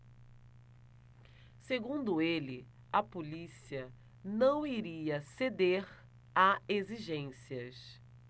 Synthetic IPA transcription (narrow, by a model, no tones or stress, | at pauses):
seɡũnd̪ʊelɪ | ɐpolisiɐ | nɐ̃w̃iɾiɐsed̪eɾ | aeziʒẽsiɐs